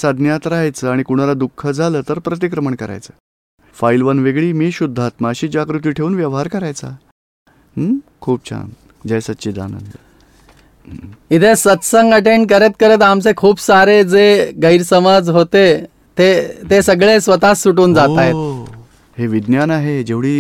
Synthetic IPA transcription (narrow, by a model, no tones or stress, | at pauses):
səd̪ʱnjat̪ɾaɦjt͡səːaɽ̃ikuɽ̃alad̪ukʰːəd͡zʱaləːt̪əɾpɾət̪̬ikɾəməɳkəɾa̰jt͡səː | failʋənʋeɡɭiːmiːɕud̪ʱːat̪maɕiːd͡ʑakɾut̪̬iːʈʰeuːnʋjəʋɦaɾkəɾajt͡sa | kʰuːp̚t͡ɕʰa̰n | d͡ʑajsət̪ːɕiːd̪a̰nə̰nd̪ə | it̪ʰesət̪səŋɡəʈeɳɖ̚kəɾet̪̚kəɾət̪amt͡sekʰuːbsaɾed͡zeɡəiɾsəmad͡zɦot̪e | t̪et̪esəɡɭesʋət̪asuʈuːnd͡zat̪ajt̪̚ | heʋid̪njanaɦed͡ʑeʋɽiː